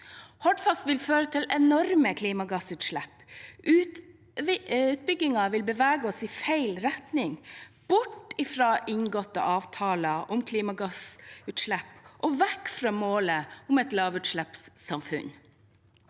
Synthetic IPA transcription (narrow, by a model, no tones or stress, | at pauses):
hɔɖfɑst̪ʋɪlføːɾət̪ʰɪlɛnɔɾməkʰliːmɑɡɑsʉːt̪ʃɭæpː | ʉːt̪̚bʏɡɪŋɑʋɪlbəʋæːɡəɔsɪfæɪlɾɛt̪nɪŋ | b̥ʊʈɪfɾɑːʔɪŋɡɔt̪ːə̰ʔɑːʋt̪ʰɑːlɑʔʊmkʰliːmɑɡɑsʉːt̪ʃɭæpːʔɔʋɛkfɾɑːmoːləʊmɛt̪lɑːʋʉːt̪ʃɭɛpssɑmfʉ̰n